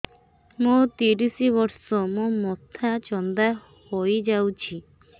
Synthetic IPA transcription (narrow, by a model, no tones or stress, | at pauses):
mot̪iɾisiβɔɾsɔmomɔt̪ʰat͡ʃɔnd̪a | hojd͡ʒawt͡ʃʰi